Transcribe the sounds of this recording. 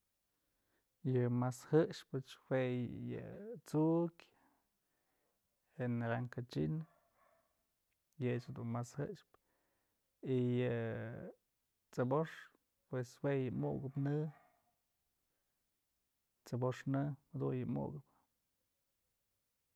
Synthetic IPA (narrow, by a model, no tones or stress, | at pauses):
jɨmashɨʔʂpɨt͡ʃwejɨ̰t͡suʔkʲ | henaɾaŋkat͡ʃin | jɨt͡ʃhd̪unmashɨʂp | ijɨ | t͡sɨboʂ | pweswejɨmuʔɡɨpnɨ | t͡sɨboʂnɨhad̪ṵjɨmṵɡɨp